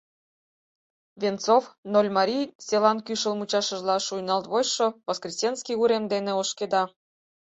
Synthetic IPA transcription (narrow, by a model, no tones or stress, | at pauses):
vʲent͡sofnolʲmɑɾʲijselɑnkyʃə̆lmut͡ɕɑʃə̆ʒlɑʃujnɑlt̪βojʃoβoskrʲisʲenskʲiuɾemd̪eneoʃked̪ɑ